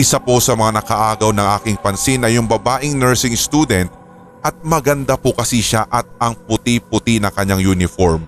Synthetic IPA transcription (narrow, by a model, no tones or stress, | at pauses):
ʔɪsaposɐmɐŋanɐkɐʔaːɡɐwnɐŋʔaːkɪŋpɐnsinɐjʊŋbɐbaːʔɪŋnɛɹsɪŋst̪ud̪ɛnt̪̚ | ʔɐt̪̚mɐɡɐnd̪apʊkɐsiʃaʔɐt̪̚ɐŋpʊt̪ipʊt̪inɐŋkɐɲaŋjuːnɪfoɹm